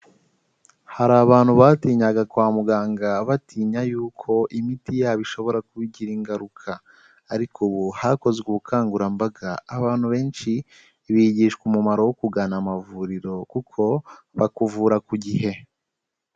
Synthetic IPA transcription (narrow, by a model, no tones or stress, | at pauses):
haɾaːβaːn̥huβaːtiːɲaɡakwaːmuɡaːŋɡaβatiːɲajuːkʰo̞ʔimitijaβiʃo̞βo̞ɾakuβiɟiɾiŋɡaɾukʰaː | ɾikʰuβuhako̞zɡwuβukʰaːŋɡuɾambaɡaːβaːn̥huβe̞ːnʃi | βiɟiʃkumumaɾowokuɡaːnamavuɾiɾo̞kukʰo̞ | βakuvuːɾakuɟihe̞